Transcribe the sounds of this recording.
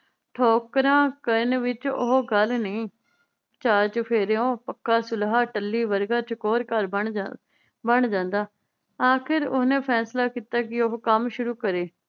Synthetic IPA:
ʈʰoːkɾãːkəɾnʋɪt͡ʃo̰ɦɡəlnəĩː | t͡ʃaːt͡ʃpʰeːɾeõːpəkːaːsʊlɦaːʈəlːiːʋəɾɡaːt͡ʃəkoːɾkəɾbəɳ | bəɳd͡ʒãːnd̪aː | aːkʰɪɾʊ̰snẽːpʰɛːslaːkiːt̪aːkɪoɦkəmʃʊɾuːkəɾeː

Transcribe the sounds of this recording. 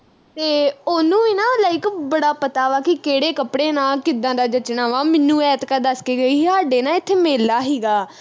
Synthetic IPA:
t̪eːoːnũːɪnãːlaːɪkbəɽaːpət̪aːʋaːkɪkeːɽeːkəpɽeːnãːkɪd̪ãːd̪aːd͡ʒət͡ʃnaːʋaːmɪnːũːɛːt̪kəd̪əskiːɡəiːaːɖeːnãːɪt̪ʰːeːmeːlːaːɦiːɡaː

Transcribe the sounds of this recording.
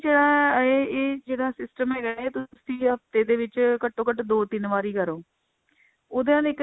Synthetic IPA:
d͡ʒeːɽãːeːeːd͡ʒeːɽãːsɪsʈəmɛːɡɛːeːt̪ʊsĩːɦəft̪eːd̪eːʋɪt͡ʃkəʈːoːkəʈd̪oːt̪ɪnʋaːɾiːkəɾoː | oːd̪ãːleːk

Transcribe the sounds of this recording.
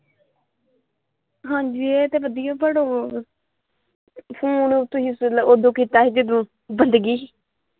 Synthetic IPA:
ɦãːɲd͡ʒiːeːt̪eːʋəd̪ɪjõːbəɽoː | pʰuːnt̪ʰːʊsisloːd̪õːkiːt̪aːɦeːd͡ʒəd̪õː | bənd̪ɡiː

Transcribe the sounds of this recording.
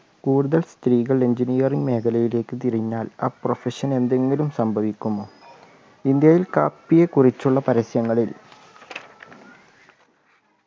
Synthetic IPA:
kuːɽuðɐlst̪riːɣɐɭeɲd͡ʑinijɐriŋɡme̞ːkʰɐlɐjile̞ːkːɨt̪iɾiɲːaːlaːprofeɕɐne̞nd̪e̞ŋɡilumsɐmbʱɐʋikʲːumːoː | ind̪jɐjilkaːpːijekurit͡ɕːuɭːɐpɐɾɐsjɐŋːɐɭil

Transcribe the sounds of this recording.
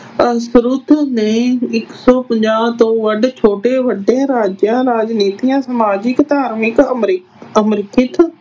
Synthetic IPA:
sɾʊt̪ʰneːɪksɔːpə̃ɲd͡ʒaːt̪õːʋəɖt͡ʃʰoːʈeːʋəɖẽːɾaːd͡ʒjãːɾaːd͡ʒniːt̪ijãːsəmaːd͡ʒɪkd̪aːɾmɪkmɾ | əmɾɪkɪt̪ʰ

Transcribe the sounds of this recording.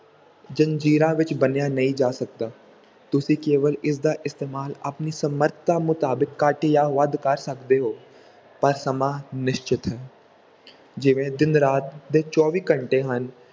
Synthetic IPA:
d͡ʒə̃nd͡ʒiːɾãʋɪt͡ʃbənjanɐɦĩd͡ʒaːsɐk̚d̪aː | t̪ʊsikeːʋəlɪs̬d̪aʔɪst̪eːmaːlɐpnisɐməɾt̪ʰt̪amʊt̪aːbɪkːaːʈijaʋɐd̪kɐɾsɐkd̪eɦoː | pɐɾsɐmãːnɪʃt͡ʃɪt̪ɦɛː | d͡ʒɪʋẽd̪ɪnɾaːt̪̚d̪et͡ʃɔːʋiːkə̃ɳʈeɦɐn

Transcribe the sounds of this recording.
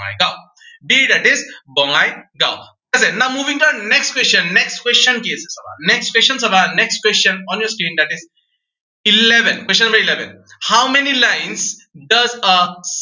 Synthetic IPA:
a̰jɡaʊ | biːd̪æʈɪzbɔŋajɡa̰ʊ | ɐsenaʊmuːʋĩŋʈudɐneksʈkwest͡ʃə̃nːeksʈkwest͡ʃə̃nkesesʌba̰neksʈkwest͡ʃə̃nsɐbaneksʈ̚kwest͡ʃə̃nɔ̃ːnjɔːɾskɾĩːnd̪æʈɪz | ɪleʋə̃nkwest͡ʃə̃nmbəɾileʋə̰̃nhaʊmenilãɪnsɖɐzəs

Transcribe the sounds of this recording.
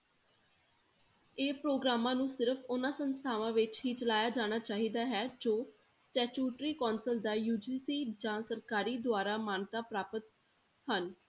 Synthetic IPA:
eːpɾoːɡɾaːmãːnũːsɪɾəfʰʊnãːsənst̪ʰaːʋãːʋɪt͡ʃɦiːt͡ʃəlaːjaːd͡ʒaːɽ̃aːt͡ʃaːɦiːd̪aːɦɛːd͡ʒoː | sʈɛːt͡ʃuːʈɾiːkɔːnsəld̪aːjuːd͡ʒiːsiːd͡ʒãːsəɾkaːɾiːd̪ʊaːɾaːmaːnt̪aːpɾaːpət̪̚ | hən

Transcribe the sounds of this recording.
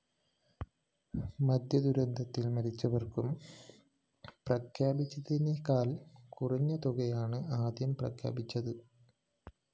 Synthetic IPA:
mɐd̪jɐd̪uɾɐnd̪ʱɐt̪ːilmɐɾit͡ɕːɐʋɐrkum | prɐkʰjaːbit͡ɕːɐðinekaːlkuriɲːɐt̪oɣɐjaːɳɨaːd̪jɐmprɐkʰja̰ːbit͡ɕːɐðɨ

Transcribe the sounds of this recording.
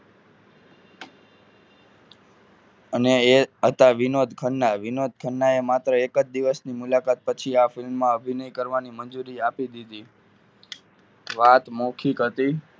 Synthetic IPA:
əneeɦət̪aʋɪnod̪ʱkʰəɳːaʋinod̪̚ʱkʰəɳːaemat̪ɾəekəd͡ʒd̪iʋəsnimulakat̪̚pət͡ʃʰiafɪlmːãəbʱinəjkəɾʋanimənd͡ʒuɾiapid̪id̪i | ʋat̪mokʰikɦət̪i

